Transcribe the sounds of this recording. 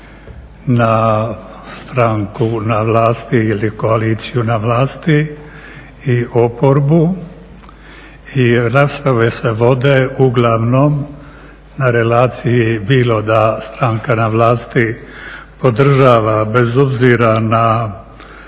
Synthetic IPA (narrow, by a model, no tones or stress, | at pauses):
na | st̪ɾaŋkunaʋlaːst̪iiliko̞aliːt̪sijunaʋlaːst̪iː | o̞po̞ɾbu | iɾaːspɾaʋese̞ʋo̞d̪euɡlˠaʋno̞m | naɾe̞laːt̪sijibiːlo̞d̪ast̪ɾaŋkanaʋlaːst̪ipo̞d̪r̩ʒaːʋabe̞zobziɾana